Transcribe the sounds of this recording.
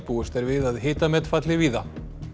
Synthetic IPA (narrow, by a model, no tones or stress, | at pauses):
puːʏst̪ɛɾvɪðaðɦɪːt̪amɛt̪fat̪lɪviːða